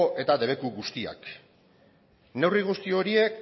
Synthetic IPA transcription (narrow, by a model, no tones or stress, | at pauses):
ʔe̞t̪aðe̞β̞e̞kuɣust̪ia̰k | ne̞wriɣ̞ust̪io̞ɾie̞k